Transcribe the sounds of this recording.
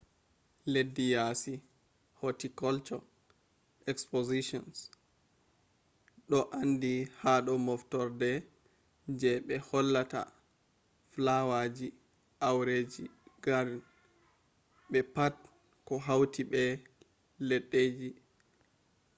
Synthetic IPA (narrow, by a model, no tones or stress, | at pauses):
ledːijasi | hotikɔlt͡ʃɔ | ɛkspoziʃɔns | ɗɔʔandihaɗɔmɔftɔɾdɛ | d͡ʒɛɓɛhɔlːata̰ | flawad͡ʒi | ʔawɾed͡ʒiɡaɾn | ɓɛpat | kɔɦawtʰiɓɛ | leɗːed͡ʒi